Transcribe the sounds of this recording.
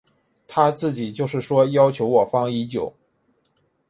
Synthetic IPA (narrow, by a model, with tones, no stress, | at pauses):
t̪ʰa˥t͡sɹ̩˥˩t͡ɕi˨˩t͡ɕjo˥˧ʊʂɻ̩˥˩ʂwɔ˥jɑ˥ʊt͡ɕʰjo˧˥ʊwɔ˨˩fɑ˥ŋi˧˥t͡ɕjo˨˩˦ʊ